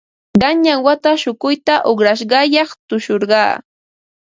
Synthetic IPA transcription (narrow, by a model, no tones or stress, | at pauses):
ɢɑnɲawat̪aʃʊkʊjt̪aʔoχɾaʃ̬ɢɑjɑχt̪ʊʃoɾɢɑ̰ː